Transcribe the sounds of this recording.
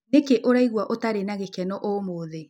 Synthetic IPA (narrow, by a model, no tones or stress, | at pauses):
nekeʔoɾaiɣwaʔotaɾenaɣekɛnɔʔomoðe